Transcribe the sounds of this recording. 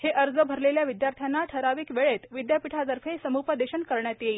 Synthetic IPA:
heʔəɾd͡zəbʱəɾleljaʋid̪jaɾt̪ʰjanːaʈʰəɾaʋiːkʋeɭet̪ʋid̪japiʈʰat̪əɾfʰesəmupəd̪eɕənkəɾɳjat̪jei

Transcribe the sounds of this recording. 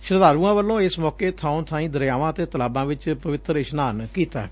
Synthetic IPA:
ʃɪɾd̪aːɾuːãːʋəlːõːɪsmɔːkeːt̪ʰaːʊ̃nt̪ʰaːĩːd̪əɾjaːʋãːət̪eːt̪əlaːbãːʋɪt͡ʃpəʋɪt̪ɾɪʃnaːnkiːt̪a̰

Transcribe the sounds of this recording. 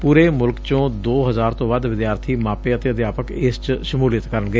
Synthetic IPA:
puːɾeːmʊlkt͡ʃõːd̪oːɦəzaːɾt̪õːbaːd̪ʋɪd̪jaːɾt̪ʰiːmãːpeːət̪eːəd̪ɪjaːpəkɪst͡ʃʃəmuːlɪjət̪kəɾəɳɡəeː

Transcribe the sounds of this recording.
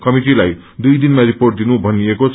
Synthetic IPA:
kʌmiʈilaj | d̪ujd̪inmaɾiporʈ̚d̪inubʱʌniekot͡sʰ

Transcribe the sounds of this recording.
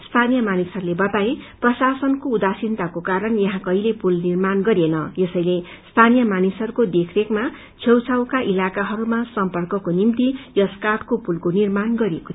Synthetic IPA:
st̪ʰanijʌmanisʌɾulebʌt̪aeprʌsasʌnkoud̪asint̪akokaɾʌnjʌɦãkʌilepulnirmanɡʌɾenʌjesʌjle | st̪ʰanijʌmanisʌrukod̪ekʰrekma | t͡sʰewt͡sʰawkaʔilakaɦʌɾumasʌmpʌrkʌkonimt̪ijʌskaʈkopulkonirmanɡʌɾeko̥t̪ʰ

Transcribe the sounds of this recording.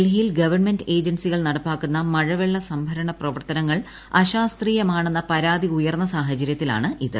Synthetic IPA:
lɦilɡɐʋɐrɳmende̞ːd͡ʑɐnsiɣɐɭnɐɽɐpːaːkːunːɐmɐɻɐʋeɭːɐsɐmbʱɐɾɐɳɐprɐʋɐrt̪ɐnɐŋːɐɭ | ɐɕaːst̪riːjɐmaːɳenːɐpɐɾaːd̪iujɐrnːɐsaːɦɐt͡ɕːɐɾjɐt̪ːila̰ːɳɨʔiðɨ

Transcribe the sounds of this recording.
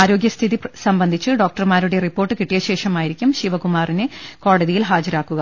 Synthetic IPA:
aːɾo̞ːɡjɐst̪ʰiðisɐmbɐnd̪ʱit͡ɕːɨɖo̞ːk̚ʈɐrmaːɾuɽe̞ripːo̞ːrʈːɨkiʈːijɐɕe̞ːʂɐmaːjiɾikʲːumɕiʋɐkumaːrineko̞ːɽɐðijilɦaːd͡ʑɐɾaːkːuɣɐ

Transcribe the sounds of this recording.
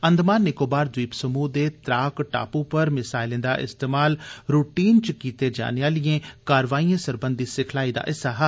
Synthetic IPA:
ə̃nd̪maːnːɪkoːbaːɾd̪wiːpsəmuːd̪eːt̪ɾaːkʈa̰ːpũːpəɾmɪsaːɪlẽːd̪a̰ːʔɪ̰st̪eːmaːlɾuːʈiːnt͡ʃkiːt̪eːd͡ʒa̰ːnejaːlɪjẽːkaːɾʋaːiːãːsəɾbənd̪iːsɪkʰlaːiːd̪a̰ːʔɪsaːɦa

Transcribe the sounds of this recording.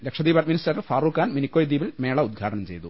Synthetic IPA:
lekʂɐd̪iːbɐt̪minisɾaːɐɭfaːruːkːaːnminikːoːjd̪iːbilme̞ːɭɐud̪̚ɡʱaːʈɐnɐmt͡ɕe̞̰jt̪u

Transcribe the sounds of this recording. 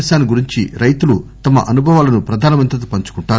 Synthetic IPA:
ɐʃaːniɡuɾiɲt͡ʃiɾɐjt̪ulut̪ɐmɐ̰ʔɐnubʱɐʋaːlɐnupɾɐd̪ʱaːnɐmɐnt̪ɾɐt̪̬upɐɲt͡ʃu̥kuɳʈaː

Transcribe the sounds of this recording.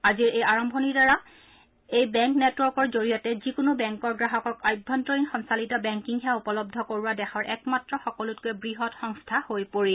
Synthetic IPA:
aziɹejaɹɔmbʱɔniɹdaɹa | ejbɛŋknɛtwɔɹkɔɹzoɹiɔtɛzikʊnʊbɛŋkɔɹɡɹaɦɔkɔkajbʱɔntɔɹinxɔnsalitɔbɛŋkiŋɦɛaupɔlɔb̚dʱɔkoɹuwadɛxʰɔɹʔɛkmatɹɔxɔkɔlut̚kuɛbɹiɦɔtxɔŋstʰahojpoɹi

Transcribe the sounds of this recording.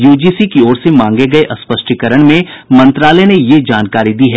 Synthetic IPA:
juːd͡ʒiːsikiɔːɾsemãːŋɡeɡɐeʔɐspəʃʈikəɾəɽ̃mẽ | mɐ̃nt̪ɾaːlənejed͡ʒaːnkaːɾid̪iɦɛː

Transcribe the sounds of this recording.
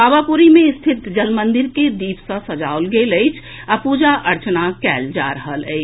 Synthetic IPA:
aːʋapuɾimẽɪst̪ʰɪt̪d͡ʒəlmə̃nd̪ɪɾked̪iːpsə̃səd͡ʒaolɡeləɪt͡ʃʰ | apuːd͡ʒaʔəɾt͡ʃnakɛːld͡ʒa̰ɾəɦələ̰ɪt͡ʃ

